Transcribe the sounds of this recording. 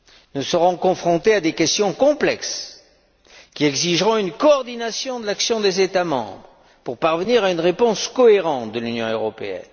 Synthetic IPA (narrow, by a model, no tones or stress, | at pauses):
nəsəʁɔ̃kɔ̃fχɔ̃t̪ead̪ekʲɛst̪jɔ̃kɔ̃plɛks | kʲiɛɡziʒʁɔ̃ynkɔːʁd̪inasjɔ̃d̪əlaksjɔ̃d̪ezet̪amɑ̰̃bʁə | puʁpaʁvəniʁaynʁepɔ̃skɔeʁɑ̃t̪̚d̪əlynjɔ̃øʁɔpḛɛ̰n